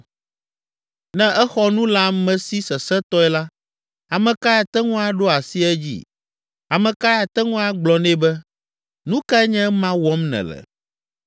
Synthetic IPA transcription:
nɛ̃˦ʔɛ˦xɔ˦nũ˦la˦mɛ̃˨si˦sɛ˨sɛ˦t̪ɔ˦ɛ˦la˦ | a˨mɛ̃˨ka˦ja˨t̪ɛ˦ŋũ˦a˦ɖo˦a˨si˦ɛ˦d͡ʑḭ˦ | a˨mɛ̃˨ka˦ja˨t̪ɛ˦ŋũ˦a˦ɡ͡blɔ˨nɛ̃˦bɛ˦ | nũ˦ka˦ɛ˦ɲɛ̃˦mã˦wɔ˦mnɛ̰̃˨lɛ̰˨

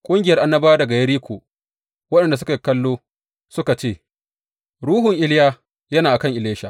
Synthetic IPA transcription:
kʷʼʊ˦ŋɡʲɪ˨jɐ˦rʔa˨nːɐ˦baː˦dɐ˨ɡa˨jɐ˦ɾiː˦kʷʰo̰ː˨ | wɐ˦ɗɛ˨nda˨s̬ʊ˦ka˨kɐ˦lːoː˦ | sʊ˦ka˨t͡ʃeː˦˨ | ɾuː˦ɦʊ˨ŋʔɪ˦lɪ˦jaː˦ | jɐ˦naː˨ʔa˨kɐ˦ŋʔɪ˨leː˦ʃa˨

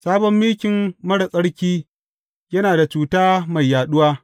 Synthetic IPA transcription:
saː˦bɔ˦mːiː˦kʲɪ˨mmɐ˦ɽɐ˨sʼɐ˦ɽkʲiː˦ | jɐ˦naː˨da˨t͡ʃuː˨taː˦ma˨jːaː˨ɗʊ˦waː˦

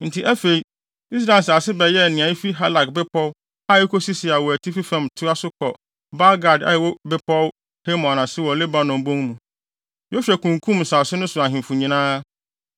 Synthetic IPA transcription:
n̩˨tʰi˨ʔæ˦fe˨i˦ | i˦s̬ɾa˨ɪ˨sa˨sɪ˦bɛ˨jɛ˦nɪ̃˨ã˨i˦fi˦ɦa˦la˨kbɪ˦pʰɔ˦w | a˦˨ɛ˦kʰo˦si˦sɪ˨a˨wɔ˨æ˨tʰi˦fi˦fɛ̃˨mtʰʊ˦a˦sʊ˦kʰɔ˨ | ba˦ɡa˨da̰˨˦ɛ˨wɔ˦bɪ˦pʰɔ˦w | he˦mɔ̃˨nã˨sɪ˦wɔ˨lɪ˦ba˨nʊ̃˨m˨bõ˦ŋmũ˨ | jɔ˦ɕᶣɛ˨kʰũ˨ŋkʰũ˦mn̩˨sa˨sɪ˦nʊ̃˦sʊ˨a˨ɦɪ̃˨mfʊ˨ɲĩ˦nãː˦

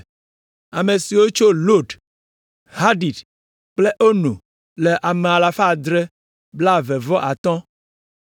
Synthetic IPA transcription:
a˨me˨si˨wo˦t͡ʃo˦lo˦ɖ | ha˦ɖi˨d | k͡ple˦ʔo˦nṵ̃˨ | le˨ʔa˨me˨a˨la˨fa˦˨d̪ɾɛ˦ | bla˦vɛ˨vɔ˦ʔa˨t̪ɔ̃˦

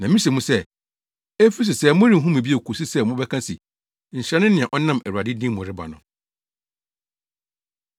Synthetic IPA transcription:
nã˨mĩ˦ɕe˨mũ˦sɛ˦˨ | e˦fi˦s̬ɪ˨sɛ˦˨mʊ̃˦ɾĩ˨ɦũ˦mĩ˨bi˦e˨kʰo˨si˦sɛ˦mʊ̃˦bɛ˦kʰã˦si˨ | n̩˨ɕɾɛ˨˦nʊ̃˦nɪ̃˨ɛ̃˨ʔɔ˦nã˦mæ˨ɾu˨a˨dɪ˦dĩ˦mʊ̃˨ɾɪ˦ba̰˨nʊ̰̃˨

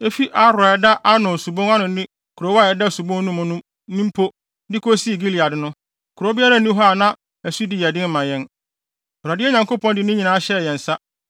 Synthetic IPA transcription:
e˦fi˦ʔa˦ɾʊ˨a˨ɛ˨da˦ʔa˦nʊ̃˨su˨bõ˦ŋã˦nʊ̃˨nɪ̃˦ | kʰu˨ɾo˨˦wa˦˨ɛ˨da˦˨su˨bõ˦ŋ˦nũ˦mʊ̃˨nũ˦ | nĩ˦m˦pʰo˦ | dɪ˦kʰo˦si˦˨ɡi˦li˨a˨dɪ˨˦nʊ̃˦ | kʰu˨ɾo˨˦bɪ˦a˦ɾa˦˨nĩ˦ɦɔ˦a˨nã˦ | æ˨su˦di˨jɛ˨dɪ̃˦m˦mã˨jɛ̃˦n | o˨ɾa˨dɪ˦ɛ˦ɲã˨ŋko˦pʰɔ̃˦ndɪ˨nʊ̃˦ɲĩ˨nã˨˦a˦ɕɛ˦˨jɛ˨n̩˨sa˦

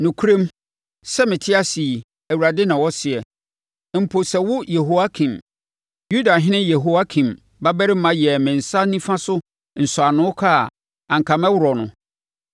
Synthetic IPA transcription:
nʊ̃˨kʰu˦ɾẽ˦m | sɛ˦mɪ̃˨tʰɪ˦a˦si˨ | æ˨wu˨ɾa˨dɪ˦nã˨wɔ˦sɪ˨ɛ˨ | m̩˨pʰo˨sɛ˨wʊ˦je˨ɦo˦wa˦kʰĩ˨m | ju˦da˨ɦɪ̃˦nɪ̃˦jɛ˨ɦo˨wa˦kʰĩ˨m | ba˦bɛ˦ɾɪ˦mã˦jɛ˨mɪ̃˨n̩˨sa˦nĩ˦fã˦sʊ˦ | n̩˨sʊ˨a˨nʊ̃˦kʰa˦˨ | ã˨ŋ̩˨kʰã˨mɛ̃˦wʊ˨ɾɔ˨nʊ̰̃˨

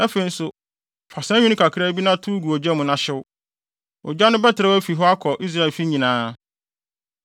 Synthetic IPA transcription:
ɛ˦fe˨i˨n̩˦sʊ˦ | fa˨sã˦ɲᶣũ˦nɪ̃˦kʰa˨kʰɾa˦bi˦nã˦tʰu˦ɡu˨ɔ˨d͡ʑᶣɛ˦mʊ̃˨nã˦ɕɪ˦wʊ˦ | ɔ̰˨d͡ʑᶣa˦nʊ̃˦bɛ˦tʰɪ˨ɾa˦wæ˦fi˨ɦɔ˦a˦kʰɔ˨ʔi˦s̬ɾa˦˨e˨lfi˦ɲĩ˨nãː˦

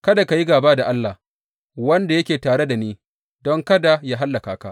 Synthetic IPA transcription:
kɐ˦da˨ka˨ji˦ɡaː˨baː˦da˨ʔa˦lːa˨h | wɐ˦nda˨jɐ˦kʲeː˨taː˨ɽe˦da˨niː˦ | dɔ˦ŋkɐ˦da˨ja˦ɦa˦lːa˨kaː˨ka̰˦ʔ

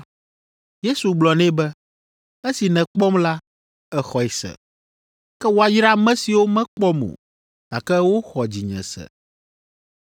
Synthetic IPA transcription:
je˦su˨ɡ͡blɔ˨nɛ̃˦bɛ˦ | ɛ˦si˨nɛ̃˨k͡pɔ˦mla˦ | ɛ˨xɔ˨ɛ˨sɛ̰˨ | kɛ˦wo˨a˨jɾa˦mɛ̃˦si˨wo˦mɛ̃˦k͡pɔ˦mo̰˨ | t̪a˨kɛ˦wo˦xɔ˨d͡ʑi˨ɲɛ̰̃˨sɛ̰˨

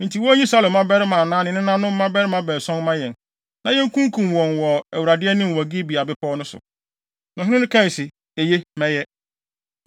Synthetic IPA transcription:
n̩˨tʰi˨wɔ˦ɲĩ˦sa˦lɪ̃˨˦mã˦bɛ˦ɾɪ˦mã˨nãː˦nɪ̃˨˦nɪ̃˦nã˦nʊ̃˦m̩˦mã˦bɛ˦ɾɪ˦mã˨˦bɛː˨sɔ̃˦n˦mã˦jɛ̃˨n | nã˨jɛ̃˦ŋ˦kũ˦ŋ˦kʰũ˨mwɔ̃˨nwɔ˨ɛ˨wu˨ɾa˨dɪ˦ɛ˦nʊ̃˦m˨wɔ˨ɡi˦bi˨a˨bɪ˦pʰɔː˦nʊ̃˦sʊ̰˨ | nɔ̃˨ɦɪ̃˦ɪ̃˦nʊ̃˦kʰã˦˨sɪ˨ | e˨je˦mɛ̃˦jɛ˦

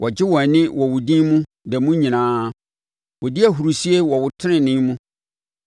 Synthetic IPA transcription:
wʔɔ˨d͡ʑɪ˦wɔ̃˨nɪ̃˦wɔ˨wʊ˨dĩ˦nmũ˦ | dɛ˨mũ˦ɲĩ˨nãː˨˦ | wʊ˨dɪ˦æ˨ɦu˨ɾu˨si˦e˦wɔ˨wʊ˨tʰɪ˦nɪ̃˨nɪ̃˦mũ˦

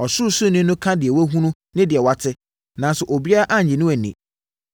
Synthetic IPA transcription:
ɔ˨sʊ˦sʊ˦nʊ̃˦nʊ̃˦kʰã˦dɪ˨ɛ˨wɔ˦ɦũ˦nʊ̃˦ | nɪ̃˦dɪ˨ɛ˨wa˦tʰɪ˦ | nã˨n˦sʊ˨ʔo˨bi˦a˦ɾa˦ʔa˦ɲ̩˨ɲɪ̃˨nʊ̃˦æ˨nḭ̃˨

